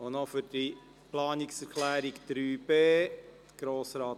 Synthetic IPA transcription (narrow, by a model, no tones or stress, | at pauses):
onɔfydi | plɑːnɪksɛɾkʰlæːɾiɡd̪̥ɾyːb̥eː | ɡ̥ɾoːsɾaːt